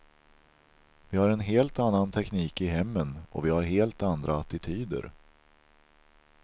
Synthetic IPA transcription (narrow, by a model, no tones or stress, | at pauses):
vɪhaɾɛnɦeːlt̪anːant̪ʰɛkniːkɪɦɛmːənɔ̰vɪhaɾɦeːlt̪and̪ɾʔaat̪ɪt̪ʰyːd̪ə̰ɾ